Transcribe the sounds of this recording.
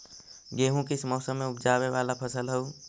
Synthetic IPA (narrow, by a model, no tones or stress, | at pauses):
ɡeɦũkismɔːsəmːeupʰd͡ʒaβeʋalapʰəsəlɦəu